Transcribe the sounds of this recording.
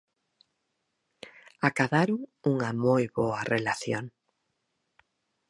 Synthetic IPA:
akaðaɾuŋuŋamojβoarelaθjoŋ

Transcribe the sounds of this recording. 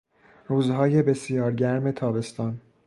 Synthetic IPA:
ɾuːzɦɒːje̞be̞sijɒːɾɟæɾme̞t̪ʰɒːbe̞st̪ɒːn

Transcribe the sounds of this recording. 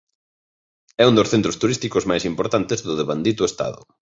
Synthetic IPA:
ɛund̪osθent̪ɾost̪uɾist̪ikozmajsimpoɾt̪ant̪ezðʊðeβand̪it̪ʊest̪a̰ðʊ̰

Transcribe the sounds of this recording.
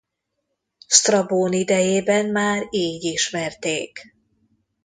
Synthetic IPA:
st̪rɒboːnid̪ɛjeːbɛnmaːɾeːɟiʃmɛrt̪eːk

